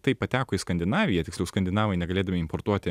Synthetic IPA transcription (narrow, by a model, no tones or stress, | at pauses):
t̪ɐɪppɐt̪ʲæːkoːɪskɐnʲd̪ʲɪnɑːʋʲɪjɛtʲɪksʲlʲɛʊskɐnʲd̪ʲɪnɑːʋɐɪnʲɛɡɐlʲeːd̪ɐmʲɪɪmpoɾt̪uɔt̪ʲɪ